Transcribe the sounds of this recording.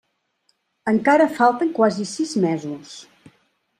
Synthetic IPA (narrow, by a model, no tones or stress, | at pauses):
əŋkaɾəfalˠt̪əŋkwazisizmɛzus